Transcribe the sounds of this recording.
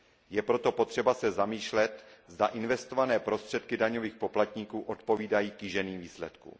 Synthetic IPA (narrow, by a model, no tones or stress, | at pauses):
jɛpɾo̞t̪opo̞t̪r̝̥ɛbasɛzamiːʃlɛt̪zdaʔɪnvɛst̪o̞vanɛːpɾo̞st̪r̝̥ɛt̪kɪdaɲo̞viːxpo̞plat̪ɲikuːʔo̞t̪po̞viːdajiːkjɪʒɛniːmviːslɛt̪kṵ